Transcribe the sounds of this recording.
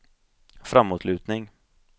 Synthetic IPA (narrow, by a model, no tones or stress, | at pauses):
fɾamːuːt̪lʉ̟ːt̪nɪŋ